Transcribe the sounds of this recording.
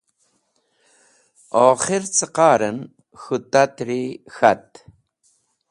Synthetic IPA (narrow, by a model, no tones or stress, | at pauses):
ɔːχɪɾt͡səqɑːɾən | xut̪at̪ɾixat̪